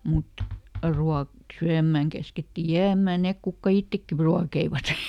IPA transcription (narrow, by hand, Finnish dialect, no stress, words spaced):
mut ruɑk syæmːæˑŋ kæsketːi jæːmˑæ nek kukːɑ itːekːi pru ruɑkeiʋɑt